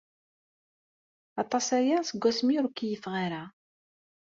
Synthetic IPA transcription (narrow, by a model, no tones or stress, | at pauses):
ɑt̪ˤɑsæjasəɡʷːæsmiɾukːijəfʁaɾa